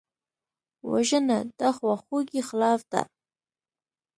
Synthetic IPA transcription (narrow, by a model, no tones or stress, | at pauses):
wa̰ʒənad̪axwaxoɡixlɑfd̪a̰